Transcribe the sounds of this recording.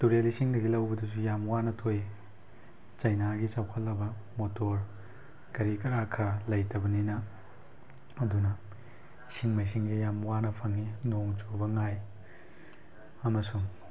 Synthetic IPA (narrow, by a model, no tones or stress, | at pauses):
tuɾelisiŋdɐɡilɐwbɐdusujamwanɐtʰoj | t͡ʃɐjnaɡit͡ʃawkʰɐlːɐbɐ | motoɾ | kɐɾikɐɾakʰɐlɐjtɐbɐninɐ | ɐdunɐ | isiŋmajs̬iŋɡijamwanɐpʰɐŋinoŋt͡ʃubɐŋaj | ɐmɐsuŋ